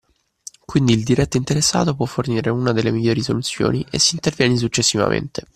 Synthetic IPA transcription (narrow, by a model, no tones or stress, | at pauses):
kwind̪iːld̪iɾɛt̪ːoint̪eɾesːa̰ːt̪op̬wɔfːorniːɾeunad̪elːemiʎːoːɾisolut̪sːjo̰ːniʔesːiːnt̪ervjɛːnis̬ut͡ʃːesːiva̰mʔḛnt̪e